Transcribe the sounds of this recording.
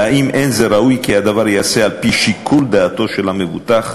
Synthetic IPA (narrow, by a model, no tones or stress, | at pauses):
aʔimʔenzeɾaʔujkihad̪avaɾjaːsealpiʃikʰuld̪aːt̪o̞ʃelamevṵt̪aχ